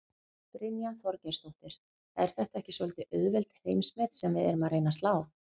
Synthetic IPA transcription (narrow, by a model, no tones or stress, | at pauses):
pɾɪnjaθɔɾcɛɾ̥st̪owht̪ɪɾ̥ | ɛɾ̥θɛht̪aɛhcɪsɔlt̪ɪʔœðvɛlt̪heːjmsmɛt̪sɛmvɪðɛ̰ɾʏmaɾeːjnast̪laːw